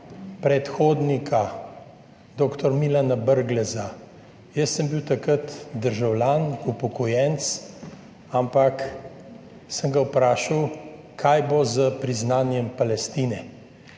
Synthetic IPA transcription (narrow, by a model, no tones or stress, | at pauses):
pɾɛt̪xoːd̪nikʰa | d̪oːkt̪ɔɾmilanabəɾɡlɛza | jəsːəmbiwt̪akɾət̪d̪əɾʒawlʲanupɔkɔjɛnt̪t͡s̪ | ampak | səŋɡawpɾaːʃaw | kʰajbozəpɾiznaːnjɛmpalɛst̪iːnɛ